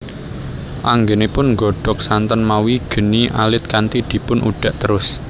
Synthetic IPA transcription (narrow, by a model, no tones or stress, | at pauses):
ʔaŋɡenepʊnŋɡɔɖ̥ɔ̤k̚sant̪ɔnmawiɡ̥ə̤niʔalɪt̪̚kant̪id̪̥i̤pʊnʔṵɖ̥a̤ʔt̪əɾʊs